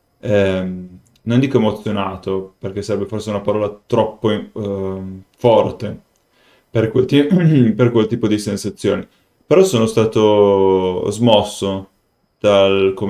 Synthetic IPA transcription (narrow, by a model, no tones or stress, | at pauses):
ɛm | nond̪iːkoemot̪sːjonaːt̪operk̟esaɾɛbːeforseunapaɾɔːlat̪ɾɔpːo | fɔrt̪e | perkwelt̪iperkwelt̪iːpod̪isensat̪sːjo̰ːni | peɾɔsoːnost̪aːt̪o | zmɔsːo | d̪̥alkom